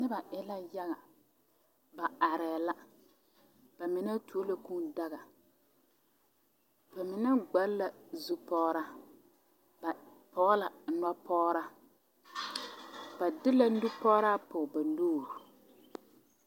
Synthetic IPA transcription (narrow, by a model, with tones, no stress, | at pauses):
nɪ˦ba˨ʔɪ˨la˦ja˦ɣa˨ | ba˨a˨ɾɛː˨la˦ | b̥a˨mɪ˨na˦tu˨o˦la˨ku˦da˦ɣa˨ | b̥a˨mɪ˨na˦ɡ͡ba˨˦lla˨zu˦pɔː˦ɾa˦ | ba˨ | pɔ˨˦ɣla˨na˦pɔː˦ɾa˦ | ba˨dɪ˦la˦u˦pɔː˦ɾa˦pʊ˨ba˨noː˦˨ɾu˨